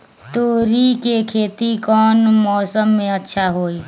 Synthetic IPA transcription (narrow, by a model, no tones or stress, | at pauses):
t̪oːɾikekʰeːt̪ikɔːnmɔːsəmːẽətːʃʰaɦoːi